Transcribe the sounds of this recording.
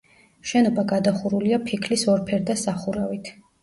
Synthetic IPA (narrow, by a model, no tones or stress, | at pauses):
ʃɛnɔbaɡad̪aχuɾuliapʰikʰlisɔɾpʰɛɾd̪asaχuɾavit̪ʰ